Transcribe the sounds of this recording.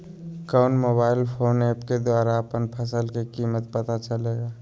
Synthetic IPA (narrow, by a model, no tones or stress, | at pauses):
kaʊnmoːbaːɪlpʰoːneːpked̪waːɾaəpənpʰəsəlkekiːmət̪̚pət̪at͡ʃəleːɡaː